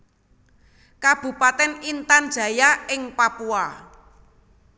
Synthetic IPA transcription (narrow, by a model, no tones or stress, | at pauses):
kab̥ṳpat̪ɛnint̪and̥ʒ̥ä̤jaɪŋpapua